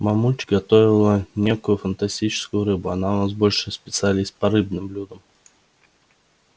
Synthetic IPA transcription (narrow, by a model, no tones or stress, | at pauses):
mɐmulʲt͡ɕɪɡɐt̪ovʲɪlˠənʲe̞kʊjʊfənt̪ɐsʲtʲit͡ɕɪ̥skʊjʊɾɨbʊɐnaʊnas̬bo̞lʲʂɨspʲɪt̪sɨɐlʲist̪̚pɐɾɨbnɨmblʲud̪əm